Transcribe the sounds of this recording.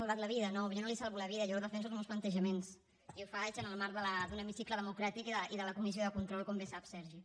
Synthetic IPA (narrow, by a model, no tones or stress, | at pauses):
alˠβat̪ləβiðənoβʒonolisalˠβuləβiðəʎβɔɾðəfɛnsulˠzmɛwsplənt̪əʒəmens | iuwfat͡ʃənəlˠmaɾðələd̪unəmisikləðəmukɾat̪ikiðəʔiðələkumis̬ioðəkunt̪ɾɔlˠkombesapsɛɾʒi